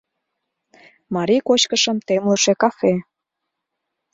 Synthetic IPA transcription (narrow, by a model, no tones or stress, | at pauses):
mɑɾikot͡ɕkəʃə̆mt̪emluʃekɑfe